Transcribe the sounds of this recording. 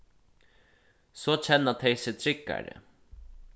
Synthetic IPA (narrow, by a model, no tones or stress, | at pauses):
sɔːt͡ɕʰɛnːat̪ʰɛjseːt̪ʰɾɪkːa̰ɾə̰